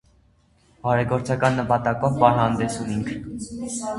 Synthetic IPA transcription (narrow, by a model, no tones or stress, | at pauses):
ɑɾɛɡɔɾt͡sʰɑkɑnːəpɑt̪ɑkɔvbɑɾɦɑnd̪ɛsumiŋkʰ